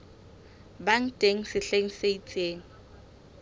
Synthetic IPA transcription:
baŋ̩tʼeŋ̩sɪɬeŋ̩seit͡sʼeːŋ̩

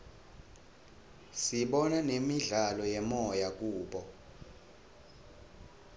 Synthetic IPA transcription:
siɓɔnanemiɮalɔjɛmɔjak̬ʼuːɓɔ

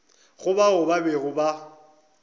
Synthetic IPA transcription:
ɣʊbaʊbabɛɣʊba

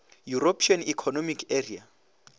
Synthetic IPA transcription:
juropʰianikʰɔnɔmikʰeria

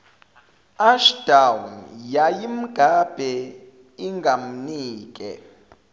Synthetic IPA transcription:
aʃd̥awnjajim̩ɡ̥ʱab̥ʱɛ | iŋɡʱam̩niːk̬ʼɛ̰

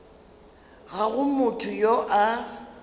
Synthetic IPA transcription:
ɣaɣʊmʊtʰʊjoʔa

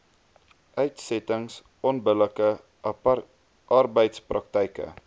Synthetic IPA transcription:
œɥtsɛtəŋs | ɔnbələkə | ʔɐrbəjtsprɐk̚tɛjkə̰

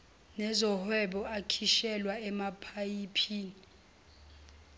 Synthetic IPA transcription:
nɛzɔhwɛɓɔakʰiʃɛlwaɛmapʰajipʰiːni

